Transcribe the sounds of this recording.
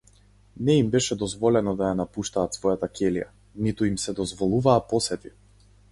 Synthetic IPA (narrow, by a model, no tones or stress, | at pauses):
nɛimbɛʃɛd̪ɔzvɔlɛnɔd̪ajanapuʃt̪aːt̪svɔjat̪akɛlija̰ | nit̪uimsɛd̪ɔzvɔlˠuvaːpɔsɛt̪i